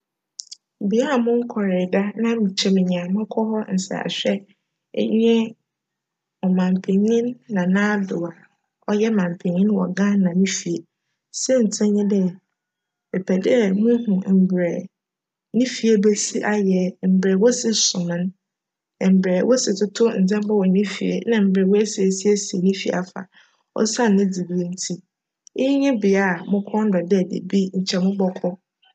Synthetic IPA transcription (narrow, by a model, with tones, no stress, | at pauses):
bi˨˦a˦a˨mʊ̃˦ŋ̩˦kʰɔ˨ɾɪ˨da˦nã˦mĩ˨t͡ɕʰɛ˦mɪ̃˨ɲã˨mʊ̃˦kʰɔ˦hɔ˦n̩˨sa̰˨a̰˨ɕᶣɛ̰˦ | ɲɛ̃˦ | ɔ˨mã˨m˨pʰẽ˨ɲĩ˦nːã˨nãː˦dʊ˨a˨ | ɔ˦jɛ˦mã˨m˨pʰẽ˨ɲĩ˦n˦wɔ̰˨ɡã˦n˦nã˨nĩ˦fi˨e˨ | sɛ˦n̩˨tʰɛ̃˦ɲɛ̃˦dɛ˦˨ | e˨pʰɛ˨dɪ˦˨mʊ̃˦hʊ̃˨m̩˨bɾɛ˨ | nĩ˦fi˨e˦be˦si˦ʔa˦jɛ˨m̩˨bɾɛ˨wɔ˦sɪ˦sʊ̃˨nʊ̃˦n˨ | m̩˨bɾɛ˨˦wʔɔ˦sɪ˨tʰʊ˦tʰʊ˦n̩˨d͡zɛ̃˦m˦ba˦wɔ˨nĩ˦fḭ˨ḛ˨nã˨m̩˨bɾɛ˨wɔ˦ɛ˦se˨si˦e˦si˨e˨nĩ˦fi˨a˨fa̰˨ | ɔ̰˦sã˦n˨nɪ̃˦d͡zi˨bi˦e˦n̩˦tʰi˦ | ɪ˦ɲɪ̃˦bɪ˨a˨mʊ̃˦kʰɔ̃˦n˦dɔ˨dɛ˦˨dḛ˨bi˦ɲ̩˨t͡ɕʰɛ˨mʊ̃˦bɔ˦kʰɔ˦